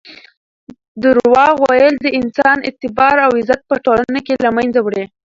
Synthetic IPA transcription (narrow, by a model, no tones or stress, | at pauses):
d̪əɾwɑɣwajəld̪əɪnsɑnɪ̰t̪ɪbɑɾawɪzat̪̚pəʈolanakelamajnd͡zawɽe